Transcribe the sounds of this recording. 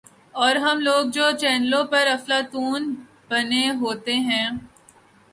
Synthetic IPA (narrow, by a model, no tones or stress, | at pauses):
ɔːɾɦɐmloːɡ̚d͡ʒoːt͡ʃɛːnlõpɐɾɐflat̪uːn | b̥ɐneɦoːt̪eɦɛ̃ː